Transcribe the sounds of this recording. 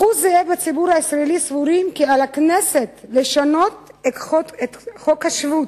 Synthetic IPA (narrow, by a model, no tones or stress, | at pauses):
χuzeebat͡sibuɾhaisʁaelisvuɾimkialakneset̪leʃano̞t̪eet̪χokhaʃvut̪